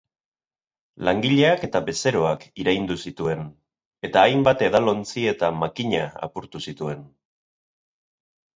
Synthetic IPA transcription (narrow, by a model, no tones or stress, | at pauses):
laŋɡiʎeake̞t̪abe̞se̞ɾo̞akiɾajnd̪usit̪ue̞n | e̞t̪aːjmbat̪e̞ðalo̞nt͡sie̞t̪amakiɲaa̰puɾt̪usit̪ue̞n